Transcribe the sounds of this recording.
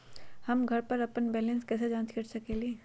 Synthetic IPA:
hɐmɡʱɐɾpɐɾɐpənbɛːlə̃nskɛːs̬ed͡ʒãːnt̪kəɾt͡ʃakeːli

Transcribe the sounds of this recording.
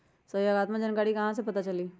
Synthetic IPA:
səjoɡaːt̪mãd͡ʒɐnkaːɾikɐɦãs̬epɐt̪at͡ʃɐliː

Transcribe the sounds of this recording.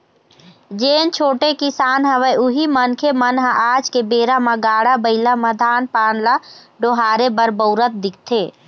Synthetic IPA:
d͡ʒeːnt͡ʃʰoːʈekisaːnɦəʋəjuɦimənkʰemənɦaʔad͡ʒkebeːɾamaɡaːɽabəɪlaməd̪ʱaːnpaːnla | ɖoɦaːɾebəɾbəʊɾət̪̚d̪ik̚ʰt̪ʰe

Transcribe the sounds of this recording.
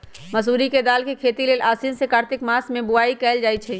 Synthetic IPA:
məs̬uːɾiked̪aːlkekʰeːt̪ileːlʔaːsinsekaːɾt̪ɪkmaːsmẽbʊaːikɛːld͡ʒaːjt͡ʃʰɛ

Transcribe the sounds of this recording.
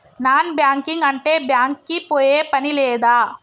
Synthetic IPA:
naːnbjaːŋkiŋɡɐɳʈe̞ːbjaːŋkːipoːjeːpɐnilɛːd̪aː

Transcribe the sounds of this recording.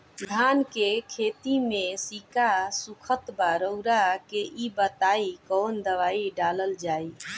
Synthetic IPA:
d̪ʱankekʰet̪imesikasukʰət̪baɾəʊɾakeʔibət̪aikɔnd̪əʋaiɖaləld͡ʒai

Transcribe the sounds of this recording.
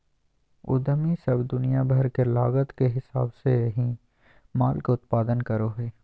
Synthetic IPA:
ʊ̰d̪əmisɐbd̪ʊnijabʱɐɾkelaːɣət̪keɦɪsaːbseɦĩ | maːlkeʊt̪̚paːd̪ənkɐɾoɦeː

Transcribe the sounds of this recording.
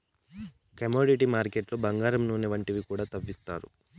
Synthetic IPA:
kɐmoːɖiʈ̬imaːɾkeʈlobɐŋɡaːɾɐmnuːneʋɐɳʈiʋikuːɽaːt̪ɐʋːist̪a̰ːɾṵ

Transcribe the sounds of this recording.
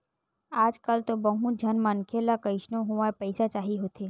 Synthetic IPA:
aːd͡ʒkɐlt̪obɐ̃ɦũd͡ʒʱɐnmankʰelakəɪʃnõɦoʋapɛɪsat͡ʃaːɦiɦoːt̪ʰeː

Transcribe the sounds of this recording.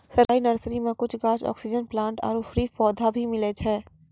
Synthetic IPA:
sɐɾaːinɐɾsɾimẽkʊt͡ʃʰɡaːt͡ʃɔ̰ːksɪd͡ʒənplãːɳʈɔ̰ːɾʊfɾifɔːd̪ʱabʱimɪlet͡ʃʰɛː

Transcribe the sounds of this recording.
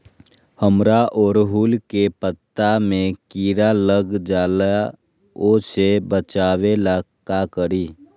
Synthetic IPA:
həmɾaʔɔːɾɦuːlkepət̪ːamẽkiːɾaləɡd͡ʒaːla | osebət͡ʃaːwelakakəɾiː

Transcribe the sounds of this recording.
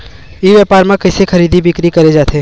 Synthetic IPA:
iʋjaːpaːɾmãkɐsexʰɐɾiːd̪ibɪkɾikɐɾed͡ʒaːt̪ʰeː

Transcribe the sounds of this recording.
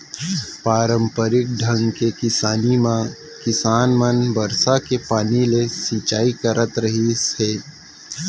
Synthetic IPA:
paːɾə̃mpəɾɪk̚ɖʱə̃ŋɡkekɪsaːnima | kɪsaːnmənbɐɾsakepaːnilesit͡ʃaːikəɾʔət̪ɾɐɦiɛː

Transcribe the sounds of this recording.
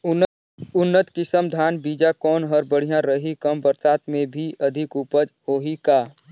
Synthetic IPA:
ʊnːət̪kɪsəmd̪ʱaːnbiːd͡ʒakɔːnɦəɾbəɽ̤ijãɾəɦikəmbəɾsaːt̪mẽbʱiʔɐd̪ʱɪkuːpəd͡ʒhoːɦikaː

